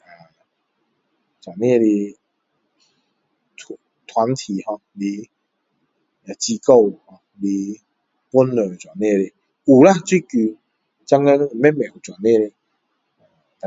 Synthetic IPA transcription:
a˨˩ | t͡swa˨˩nẽ˥˧˨li˧ | tʰ | t̪ʰwa˨˦nt̪ʰi˨hɔ̃˧li˧ | a˨˧t͡ɕi˧ko˥˧˨whɔ˧˨ | li˧ | pu˦nlə˨˩˨t͡swa˨˩nːe˥˧li˧ | u˨la˥˧˨t͡swi˥˧˨ku˧ | t͡ɕa˧ŋe˦˧˨mɛ˦˥mɛ̃˨u˨˩t͡swa˨˩nːẽ˥˧˨le˧ | a˨ | t̪a˨

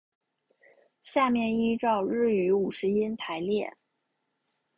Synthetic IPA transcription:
ɕja˥˧mjɛ˥˧ni˥ʈ͡ʂɑ˥˧ʊɻɻ̩˥˩y˧˥u˨˩ʂɻ̩˧˥i˥nt̪ʰa˧˥ɪljɛ˥˩

